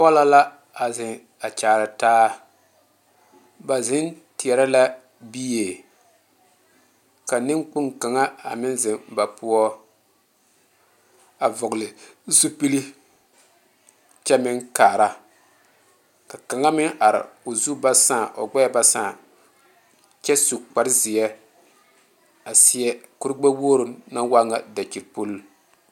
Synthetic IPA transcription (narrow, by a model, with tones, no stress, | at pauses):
pɔ˦la˦la˦ | a˨zɪ˨ | a˨t͡ʃaː˨ɾɨ˨taː˦ | ba˨zɪ˦nti˨ɛ˨ɾa˦la˦ | bi˦jeː˨ | ka˨nɪ˦ŋk͡pʊ˦ŋka˨ŋa˦a̰˨mɪ˦nzɪ˨mba˨pʰʊ˦ɔ˦ | a˨vʊ˨ɣʊ˨lɪ˨zu˦pi˦li˦ | t͡ʃɛ˦mɪ˦ŋkaː˨ɾa˦ | ka˨ka˨ŋa˦mɪ˦ŋʔa˨ɾɪ̰˨o˨zu˦ba˦sãː˦˨ʔo̰˨ɡ͡bɛ˦˨ba˦saː˦˨ | t͡ʃɛ˦su˨k͡pa˨ɾɪ˦zɪ˨jɛ˦ | a˨sɪ˦jɛ˦ku˦ɾɡ͡ba˦woː˦ɾʊ˨na˦wa˦ŋa˨da˨t͡ʃi˨ɾpo˦lː